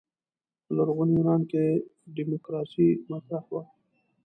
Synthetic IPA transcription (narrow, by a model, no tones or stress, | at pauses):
laɾɣʊniɾɑːnkeɖimokɾɑːsimasɾahwa